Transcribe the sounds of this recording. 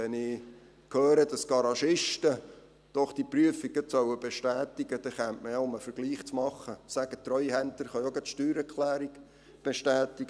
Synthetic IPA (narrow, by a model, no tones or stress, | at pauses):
ɛnɪ | kʰøːɾəd̪ɑsɡ̥ɑɾɑʃɪʃtə | d̪̥ɔχd̥ipryəfiɡət͡sœwəbeʃtæːt̪ɪɡ̥əd̥̪ɛχæntməjɛʊməfəɾɡ̥liːχt͡smɑχːəsæɡ̥ət̪rœʏhænt̪əɾχɑjɔɡɛt̪ʃtyːɾɛrkχlæːɾiɡ | b̥eʃtæːt̪iɡ̥ə